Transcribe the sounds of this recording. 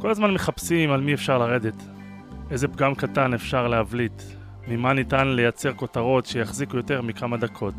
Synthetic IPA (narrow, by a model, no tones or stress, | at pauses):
ko̞lazmanmeχapsimalmiefʃaʁlaʁe̞d̪et | ʔe̞ze̞pɡamkatanefʃaʁleavlit̪ | mimanitanle̞jat͡se̞ʁko̞taʁo̞tʃejaχzikujo̞te̞ʁmikamad̪akʰo̞t